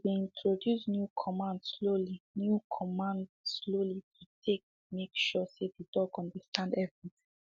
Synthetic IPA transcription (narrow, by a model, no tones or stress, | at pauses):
wiĩntʰɹɔdjusnjukʰɔmãndslolinjukʰɔmãndslolitʰutʰek̚ | mekʃɔsedidɔkɔ̃ndəstʰãndɛvɹiθŋ